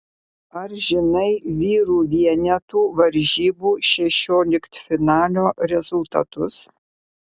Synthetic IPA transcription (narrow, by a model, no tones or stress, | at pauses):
ɐɾʒʲɪnɐɪʋʲiːɾuːʋʲiɛnʲɛt̪uːʋɐɾʲʒʲiːbuːʃʲɛʃʲoːlʲɪkt̪fʲɪnɑːlʲoːɾʲɛzʊlˠt̪ɐ̰t̪ʊs